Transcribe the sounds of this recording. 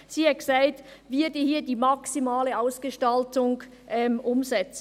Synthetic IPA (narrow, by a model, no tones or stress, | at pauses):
siːɛksaɪtvɪdəhiːɐdiːmaksimaːləaʊsɡ̥əʃtaltʊŋ | ʔɛmʔʊmzɛt͡s